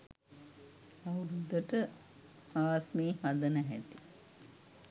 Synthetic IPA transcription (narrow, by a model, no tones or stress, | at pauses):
ɐwɾud̪əʈə | aːsmeːhad̪ənəɦæt̪i̥